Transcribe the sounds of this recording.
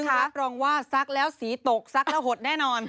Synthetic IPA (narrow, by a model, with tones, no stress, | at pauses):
ɯ˥˩˦a˦˥ɾɔː˧ŋwaː˥˩sa˦˥k̚lɛː˦˥wsiː˩˦t̪o˨˩k̚sa˦˥k̚lɛː˦˥wɦo˨˩t̪̚nɛː˥˩nɔː˧n